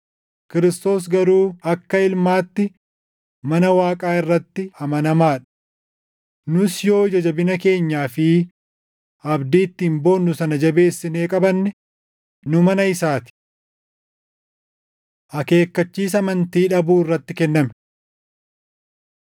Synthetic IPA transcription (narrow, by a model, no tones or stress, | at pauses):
kɪɾɪst̪o̞ːs̬ɡɐɾuːɐkːɐɪlmaːt̪ːɪ | mɐnɐwaːkʼaːɪrːɐt̪ːɪɐmɐnɐmaːᶑ̥ | nʊsjo̞ːd͡ʒɐd͡ʒɐbɪnɐke̞ːɲːaːfɪ | ɐbd̪iːt̪ːiːmbo̞ːnːʊsɐnɐd͡ʒɐbe̞ːsːɪne̞ːkʼɐbɐnːɛ | nʊmɐnɐɪsaːt̪ɪ̥ | ʔɐke̞ːkːɐt͡ʃːiːs̬ɐmɐnt̪iːᶑɐbuːɪrːɐt̪ːɪkɛnːɐmɛ̥